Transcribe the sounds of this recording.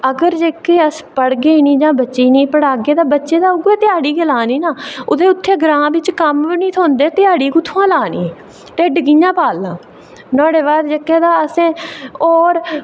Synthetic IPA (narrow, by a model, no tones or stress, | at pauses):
əɡəɾd͡ʒeːkːeːəspəɽɡeːnĩːd͡ʒãːbətːʃiːnĩːpəɽaːɡeːd̪aːbətːʃeːd̪aːʊɡeːt̪ɪjaːɽiːkelaːniːnaːʊd̪eːʊt̪ʰːeːɡəɾãːbɪt͡ʃkəmnĩːt̪ʰõːnd̪eːt̪ɪjaːɽiːkʊt̪ʰːãːlaːniː | ʈeːɖɡijãːpaːlːãː | nɔ̃ːɽeːbaːd̪d͡ʒekːeːd̪aːəsẽːoːɾ